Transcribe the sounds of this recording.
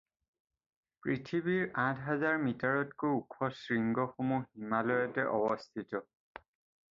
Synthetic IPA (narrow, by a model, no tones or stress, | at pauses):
pɹitʰibiɹãtʰɦazaɹmitaɹɔtkojukʰɔsɹiŋɡɔxomuhimalɔjatɛʔɔbɔstʰitɔ